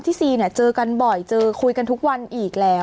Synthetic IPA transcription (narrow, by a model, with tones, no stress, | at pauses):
nt̪ʰiː˥˩siː˨˩ni˥˩ɐt͡ɕɤː˧ka˧nbɔ˨˩jt͡ɕɤː˧kʰu˧jka˧nt̪ʰu˦˥k̚wa˧nʔiː˨˩k̚lɛː˦˥w